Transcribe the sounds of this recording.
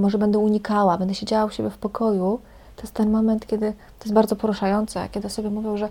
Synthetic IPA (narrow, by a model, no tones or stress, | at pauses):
mɔʐɛbɛnd̪ɛuɲikawabɛnd̪ɛɕed͡ʑawawuɕebʲjɛfpɔkʰɔju | t̪ɔ̥jɛst̪t̪ɛnmɔmɛnt̪kʲɛd̪ɘt̪ɔjɛst̪baɾdzɔpɔɾuʂajɔnt̪sɛ̰kʲɛd̪ɨsɔbʲjɛmuvʲjɔwʐɛ